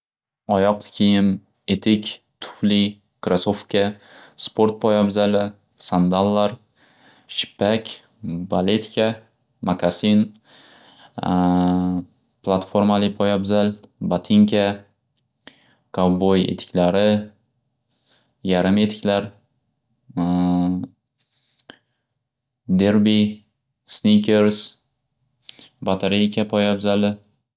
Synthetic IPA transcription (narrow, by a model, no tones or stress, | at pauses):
ɒjɒq̪̚kʲʰijɪm | e̞t̪ʰɪkʲ | t̪ʰʊ̥fli | kɾasofkʲa | spʰoɾt̪̚pʰɒjabzalɪ | sand̪alˠːaɾ | ʃɪ̥pːakʲ | balet̪kʲʰa | makʰasin | pʰlˠat̪foɾmalɪpʰɒjabzalbat̪ʰiŋkʰʲa | kʰawbojḛt̪ʰɪ̥kʲlaɾɪ | jaɾɪme̞t̪ʰɪ̥kʲlaɾ | d̪eɾbi | snikʰʲeɾs | bat̪ʰeɾijkʲʰapʰojabzalɪ